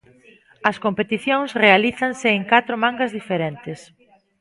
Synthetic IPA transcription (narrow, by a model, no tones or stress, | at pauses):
ɐskompet̪iθjõŋsrealiθɐŋsɪːŋkat̪ɾomãŋɡɐzðifeɾeɛnt̪ɪs